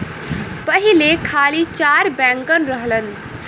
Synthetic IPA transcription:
pəɦilekʰaːlit͡ʃaːɾbɛŋkənɾəɦlən

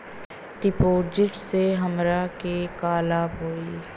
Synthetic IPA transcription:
ʈɪpoːd͡ʒɪʈseɦəmɾakekaːlaːbɦoːiː

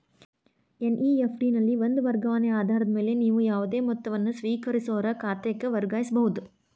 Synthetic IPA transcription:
enʔiːefɖiːnɐlːiʋond̪uʋɐɾɡɐʋaːneaːd̪ʱaːɾɐd̪ɐmeːleniːʋujaːʋɐd̪eːmɔt̪ːɐʋɐnːusʋiːkɐɾisoːɾɐkaːt̪ɐɐkːeʋɐɾɡaːjisɐbɐɦud̪u

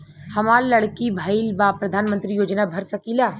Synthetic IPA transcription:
hɐmaːɾlɐɽkibʱaːilbaːpɾɐd̪ʱaːnmə̃nt̪ɾijoːd͡ʒnabʱɐɾsɐkiːlaː

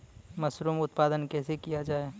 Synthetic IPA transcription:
mɐsɾuːmʊt̪paːd̪ənkɛːsekijad͡ʒaːe

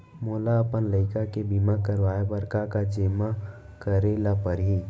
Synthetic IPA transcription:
moːlaəpənləɪkakebiːmakəɾʋaːebəɾkakad͡ʒɪma | kəɾelapəɾɦiː

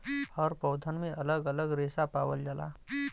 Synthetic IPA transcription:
həɾpɔwd̪ʱənmẽʔələɡələɡɾeːsapaːwəld͡ʒəla̰

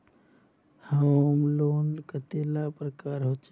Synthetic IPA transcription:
hamloːnd̪kət̪eːlapɾəkaːɾɦot͡ʃ

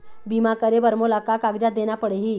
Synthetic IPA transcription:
bimakəɾebəɾmolakakaɡd͡ʑad̪eɳ̃japəɽeɦiː

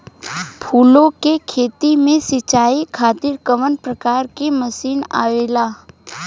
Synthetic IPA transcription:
pʰuːlõkekʰeːt̪imẽsɪt͡ʃaːikʰaːt̪ɪɾkəʋənpɾəkaːɾkeməsiːna̰ːʋeːlaː

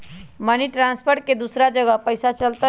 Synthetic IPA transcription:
məniʈɾãnspʰəɾʈ̚ked̪usɾad͡ʒəɡəpəjsat͡ʃəlt̪a

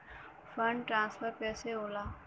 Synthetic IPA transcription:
fəɳɖʈɾãːnsfəɾpɛːseoːlaː

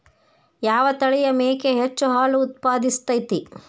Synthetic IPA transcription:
jaːʋɐt̪ɐɭɛjɐmeːkeɦet͡ʃːuɦaːluːt̪̚paːd̪ist̪ɐjt̪i

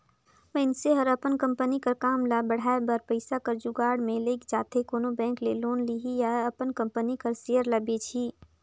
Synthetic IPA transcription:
ʋə̃ɪnseɦəɾəpənkə̃mpənikɐɾkaːmlabəɽ̤aːebəɾpəɪsakɐɾd͡ʒuɡaːɽmẽleːkd͡ʒaːt̪ekoːnobɛ̃ːŋkleloːnliɦijaɐpənkə̃mpənikəɾsejəɾlɐbet͡ʃʰiː

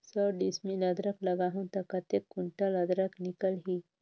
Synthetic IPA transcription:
səɖismiləd̪ɾəklɐɡaɦũnt̪ɐkat̪ekːuɳʈalɐd̪ɾəknikəlɦi

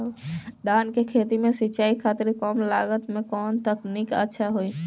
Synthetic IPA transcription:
ɖ̪ankekʰet̪imesiːt͡ʃaikʰat̪iɾkɔmlaɡət̪mekɔnt̪əknikə̰tːʃʰaɦoi

